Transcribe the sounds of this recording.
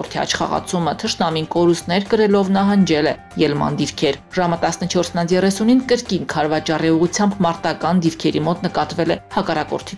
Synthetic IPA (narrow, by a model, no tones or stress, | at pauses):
ɔɾt̪ʰiɑ̰t͡ʃʰχɑ̰ʁɑ̰t͡sʰumət̪ʰəʃnɑminkɔɾust̪nɛɾkəɾɛlɔvnɑɦɑnd͡ʒɛlɛ | jɛlmɑ̰nd̪iɾkʰɛɾʒɑmət̪ɑsnət͡ʃʰɔɾsnɑnjɛrɛsuninkəɾkinkʰɑɾvɑt͡ʃɑriuʁut͡sʰjɑmbmɑɾt̪ɑkɑnd̪iɾkʰɛɾimɔt̪nəkɑt̪vɛlɛhɑkɑrɑkɔ̰ɾt̪ʰi